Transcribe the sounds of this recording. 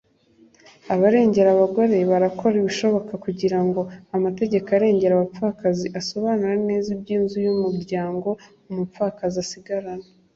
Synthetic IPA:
aβaɾe̞ːɲɟe̞ɾaβaɡo̞ɾe̞βaɾako̞ɾiβiʃo̞βo̞kakuɟiɾaŋɡo̞amate̞ɟe̞kaɾe̞ːɲɟe̞ɾaβap͡ffakaziʔaso̞βaːnuɾane̞ːzibɟiːnzujumuɾɟaːŋɡo̞ | umupp͡fakaziasiɡaɾana

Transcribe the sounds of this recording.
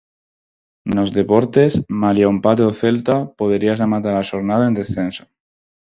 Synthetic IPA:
no̞zðe̞po̞ɾt̪e̞smaljaumpat̪̬eoθe̞lt̪apo̞ðeɾiazemat̪aɾaʃoɾnaðoe̞nd̪e̞sθe̞nso̥

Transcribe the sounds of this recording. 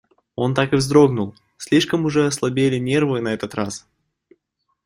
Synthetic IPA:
o̞nt̪akɨvzd̪ɾo̞ɡnʊlˠ | sʲlʲiʂkəmʊʐɛɐslˠɐbʲelʲɪnʲe̞rvɨnɐɛt̪ət̪ras

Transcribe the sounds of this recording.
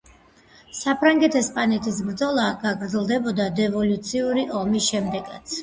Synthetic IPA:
sapʰɾaŋɡɛt̪ʰɛspʼanɛt̪ʰis̬bɾd̪zɔlˠaɡaɡɾd̪zɛlˠd̪ɛbɔd̪ad̪ɛvɔlut̪sʰiuɾiʔɔmisʃɛmd̪ɛɡat̪sʰ

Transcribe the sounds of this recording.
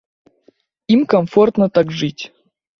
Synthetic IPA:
imkɐmfort̪nət̪akʐɨtʲ

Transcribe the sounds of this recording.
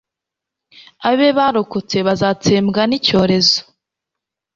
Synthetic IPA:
aβeβaɾokot͡se̞βazaːt͡seːmɡanico̞ːɾe̞zo̥

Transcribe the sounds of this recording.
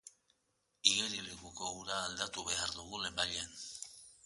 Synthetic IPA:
iɣeɾilekuko̞uɾaːld̪at̪uβe̞aɾðuɣ̞ule̞mbaʎean

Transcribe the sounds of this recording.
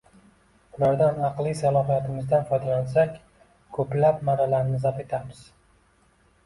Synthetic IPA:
ʊlaɾd̪anɑqlˠisalˠɒɦijat̪ʰɪmɪzd̪anfɒjd̪alɒls̬akʲ | kʰɵplapmaɾalaɾnɪzape̞t̪ʰamɪz̥

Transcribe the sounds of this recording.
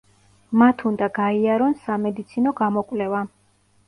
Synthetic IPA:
mat̪ʰund̪aɡaiaɾɔnsamɛd̪it̪sʰinɔɡamɔkʼwlɛva

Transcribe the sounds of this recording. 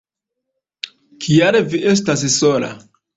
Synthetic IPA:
kʰijaɾeviʔe̞s̬tas̬sola̰

